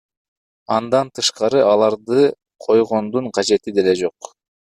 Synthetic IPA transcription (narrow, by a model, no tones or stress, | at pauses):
ɑnd̪ɑnt̪ʰɯʃqɑɾɯʔɑlˠɑɾd̪ɯ | qʰo̞jʁo̞nd̪uɴqʰɑd͡ʒe̞t̪id̪e̞le̞d͡ʒo̞q